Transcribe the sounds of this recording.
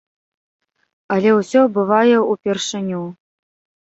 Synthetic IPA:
ɐlʲɛwsʲɔbɨvajɛupʲɛrʂɨnʲu

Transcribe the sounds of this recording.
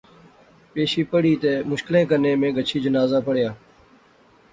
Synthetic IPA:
peːʃiːpəɽiːt̪eːmʊʃkɪlẽːkənẽːmẽːɡət͡ʃʰiːd͡ʒənaːzaːpəɽjaː

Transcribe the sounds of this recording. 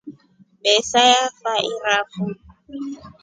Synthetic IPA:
bɛsajafaʔɪrafu

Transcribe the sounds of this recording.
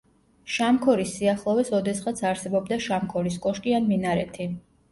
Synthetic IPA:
ʃamkʰɔɾisːiaχlˠɔvɛsɔd̪ɛsχat̪sʰaɾsɛbɔbd̪aʃamkʰɔɾis̬kʼɔʃkʼianminaɾɛt̪ʰi

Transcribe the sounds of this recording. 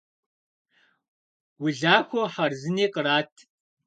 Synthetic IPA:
wʊɮaːxʷoħɐrzɨneːqʼəraːtʰ

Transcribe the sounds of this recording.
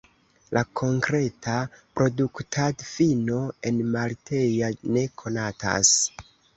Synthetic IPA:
lʔakʰo̞ŋkɾe̞tʰapɾo̞duktʰadfino̞e̞nmaltʰe̞jane̞kʰo̞nata̰s

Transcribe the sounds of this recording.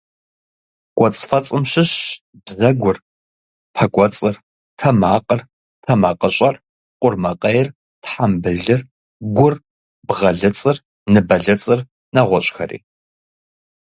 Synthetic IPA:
kʷʼɔt͡sʼfɐt͡sʼɨmɕɪɕ | bzɐɡʷʊr | pʰɐkʷʼɔt͡sʼɨr | tʰɐmaːqʼər | tʰɐmɐqʼəɕʼɐr | qʷʼʊrmɐqʼɐjɪr | tħambɨɮɨr | ɡʷʊr | bʁɐɮɨt͡sʼɨr | nɨbɐɮɐt͡sʼɨr | nɐʁʷɔɕʼxɐ̰ɾḭː

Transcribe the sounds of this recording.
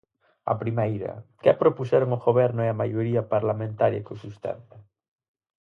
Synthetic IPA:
ɐ̰pɾimejɾɐ̰kɛpɾopusɛɾoŋoɣoβɛɾnʊeɐmajoɾiɐpaɾlamẽnt̪aɾjɐ̰kosust̪ɛ̰nt̪ɐ

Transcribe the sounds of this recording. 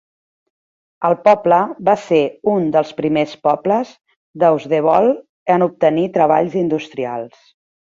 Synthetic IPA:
əlˠpɔpləβaseund̪əlˠspɾimespɔpləz | d̪əuzðeβ̞ɔlˠ | ənup̚t̪ənit̪ɾəβa̰ʎzind̪ust̪ɾia̰lˠs

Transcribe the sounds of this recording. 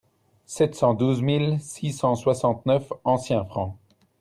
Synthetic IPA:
sɛt̪sɑ̃d̪uzmilsisɑ̃swasɑ̃t̪nœfɑ̃sjɛ̃fχɑ̃

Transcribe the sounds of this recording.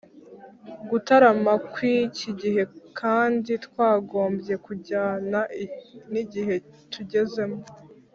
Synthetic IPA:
ɡutaɾamakwiciɟiɦe̞kʰaːnditkwaːɡo̞ːmbje̞kuɟaːnaʔiniɟihe̞ | tʰuɟe̞ze̞mo

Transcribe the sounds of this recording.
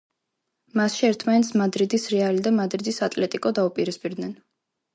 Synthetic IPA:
masʃiɛɾt̪ʰmanɛt̪smad̪ɾid̪isɾɛalid̪amad̪ɾid̪isat̪ʼlɛt̪ʼikʼɔd̪aupʼiɾispʼiɾd̪nɛn

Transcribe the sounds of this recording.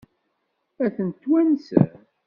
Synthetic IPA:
æθənt̪ːwænsə̰ɾ

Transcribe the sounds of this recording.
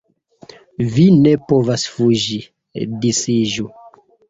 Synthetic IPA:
vine̞povasfuʒi | disiʒu

